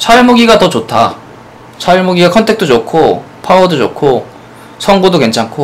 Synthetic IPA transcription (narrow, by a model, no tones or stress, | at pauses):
t͡ɕʰaɭmoɡiɡatʌt͡ɕotʰa̰ | t͡ɕʰaɭmoɡiɡakʰʌntʰe̞k̚t͈od͡ʑokʰo | pʰaʌdod͡ʑokʰo | sʰʌŋɡodoke̞nt͡ɕʰaŋkʰo